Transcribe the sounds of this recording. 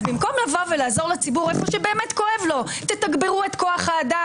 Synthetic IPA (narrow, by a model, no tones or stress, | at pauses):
bimko̞mlavo̞velaːzo̞ʁlat͡sibuʁefo̞ʃebeːmet̪ko̞evlo̞t̪etaɡbeʁue̞t̪ko̞aχhaːda